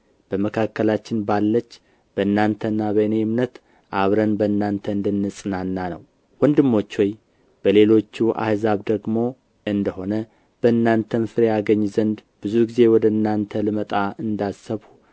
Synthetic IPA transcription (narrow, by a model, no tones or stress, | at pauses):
b̥əməkʰakːəlat͡ʃːɪnbalːət͡ʃː | b̥əɨnːant̪ʰəɨnːabənejɪmnət̪ | ʔaβɾənbəɨnːant̪ʰəɨnd̪ɨnːɨsʼɨnanːanə̰w | wɔnd̪ɨmːo̞t͡ʃːwɔj | b̥əle̞lo̞t͡ʃːuʔa̰hzaβd̪əɡmo̞ | ʔɨnd̪əho̞nə | b̥əɨnːant̪ʰənfɨɾejaɡəɲːzənd̪bɨzuɡize̞wɔd̪əɨnːant̪ʰəlɨmət̪ʼaɨnd̪asəβhu